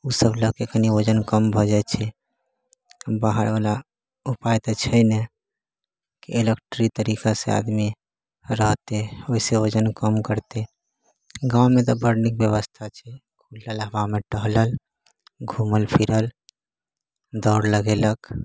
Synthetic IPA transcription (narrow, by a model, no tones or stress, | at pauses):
usəbləkekəniod͡ʒənkəmbʱɔd͡ʒat̪t͡ʃʰɛ | baɦəɾʋala | upajt̪ɔt͡ʃʰəjnɛ | kielekʈɾit̪əɾikasḛa̰d̪mi | ɾəɦt̪eoiseod͡ʒənkəmkəɾt̪e | ɡãumet̪ɔbəɾnik̚bjəβəst̪ʰat͡ʃʰɛ | kʰullalɦbameʈəɦləl | ɡʱuməlpʰiɾəl | d̪ɔɾləɡelək